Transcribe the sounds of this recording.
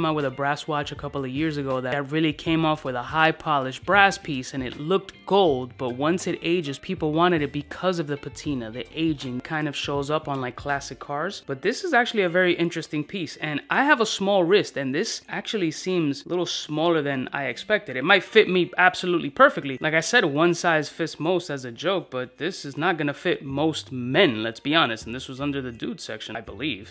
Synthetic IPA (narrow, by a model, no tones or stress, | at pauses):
mawəðəbɹæswɑt͡ʃɨkʰʌpl̩ˠʌvjɪɹzɨɡoʊðɨt̚ɹɪlˠikʰẽɪ̃mɔfwɨðəhaɪpʰɑlˠɨʃ̚b̥ɹæspʰisɨ̃nɨ̰tˡlʊk̚t̚ɡ̥oʊlˠd̚b̥ʌt̚wʌ̃nsɨɾeɪd͡ʒɨz̥pʰipl̩ˠwɑ̃ɾ̃ɨɾɨt̚b̥ɨkʰʌzʌvðɨpʰɨtʰĩnɨðiʔeɪd͡ʒɪ̃nkʰãɪ̃ndʌv̥ʃoʊzʌpn̩laɪkʰl̥æsɨkʰɑɹz̥b̥ʌt̪̚ðɪsɨzæk̚t͡ʃʉl̩ˠiɨvɛɹiʔɪ̃nt͡ʃɹ̥ɨstɪ̃ŋpʰisɨ̃naɪəvəsmɔlˠɹɪstɨ̃nðɪsʔæk̚t͡ʃul̩ˠisĩmz̥lʔɪɾl̩ˠsmɔlˠə˞ðɨ̃na̰ɪɨkspɛk̚tɨɾɨt̚maɪtfɪt̚miæb̥səlutˡlipʰɜ˞fɨk̚tˡlilʔaɪkaɪsɛd̚wʌ̃nsaɪz̥fɪsmoʊstɨzɨd͡ʒoʊk̚b̥ʌt̪̚ðɪsɨznət̚ɡ̥ʌnɨfɪt̚moʊst̚mɛ̃nlɨtsb̥iɑnɨstn̩ðɪswʌzʌ̃ndə˞ðɨdʉd̥sɛ̰kʃɨ̃naɪbəliv̥